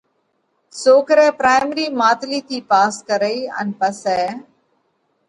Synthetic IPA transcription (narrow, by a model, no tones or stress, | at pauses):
soːkɾẽːpɾaːɪmɾiːmaːt̪liːt̪ʰiːpaːskəɾəiːə̰npəseː